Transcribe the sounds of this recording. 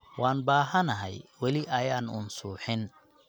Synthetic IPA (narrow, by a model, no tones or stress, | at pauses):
waːnbaːɦɐnɐɦɛ̰jwɐlɪʔɐjaːnʊ̰nsuːħɪn